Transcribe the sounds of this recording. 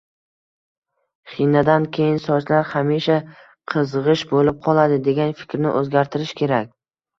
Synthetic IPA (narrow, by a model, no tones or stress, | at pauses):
χinad̪ankʲʰe̞jɪnsɒt͡ʃ̪laɾhamiʃa | qʰɨzʁɨʃbolɪp̚qʰɒlˠad̪ɪd̪e̞ɡʲanfɪ̥kʲɾnɪ̰ʔɵzɡʲaɾt̪ʰɪɾɪʃkʲʰe̞ɾak̚ʲ